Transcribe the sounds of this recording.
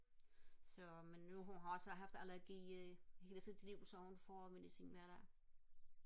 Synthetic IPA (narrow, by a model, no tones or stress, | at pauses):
sɒ̽menːuɦunɦɑ̈ɒ̽səɦɑ̈fd̥ælæɐɡ̥ḭːhe̝ːlt͡sʰið̰ˠd̥liʊ̰sɒ̽hunfɒme̝disḭnʋæɐd̥æ